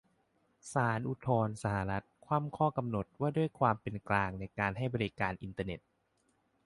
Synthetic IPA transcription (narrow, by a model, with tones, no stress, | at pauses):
saː˩˦nʔu˧t̪ʰɔː˧nsa˧ha˨˧˩ɾa˦˥t̪̚kʰwaː˧˥˩mkʰɔː˥˩ka˧mno˨˩t̪̚waː˥˩du˥˩əjkʰwaː˧mpe˧nklaː˧ŋna˧jkaː˧nɦa˥˩jbɔː˧ɾi˦˥kaː˧nʔi˧nt̪aː˧ne˨˩t̪̚